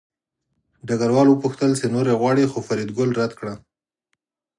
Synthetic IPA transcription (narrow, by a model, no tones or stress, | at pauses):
ɖaɡaɾwɑlwəpʊxt̪əlsenoɾeɣwɑɽixofaɾid̪ɡʊlɾad̪kɽa